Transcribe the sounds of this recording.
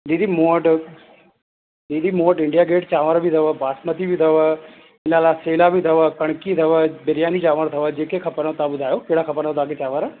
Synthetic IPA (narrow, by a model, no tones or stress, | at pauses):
d̪iːd̪imoːʈ | diːd̪imoːʈɪɳɖijaːɡeːʈt͡ʃaːʋəɾbʱit̪ʰəʋəbaːsmət̪ibʱit̪ʰəʋə | ɪlaːlaseːlabʱit̪ʰɐʋəkɐɽ̃kit̪ʰɐʋəbɐɾijaːnit͡ʃaːʋəɾt̪ʰɐʋəd͡ʒeːkekʰɐpənt̪abʊd̪ʱaːjokeɦɽakʰɐpənət̪aːket͡ʃaːʋəɾ